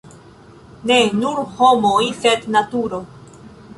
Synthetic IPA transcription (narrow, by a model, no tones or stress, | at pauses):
nenuɾhomojsednatuɾo